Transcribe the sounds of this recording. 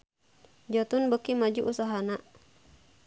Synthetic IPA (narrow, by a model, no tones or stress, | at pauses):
d͡ʒɔt̪unbəkimad͡ʒuʔusaɦana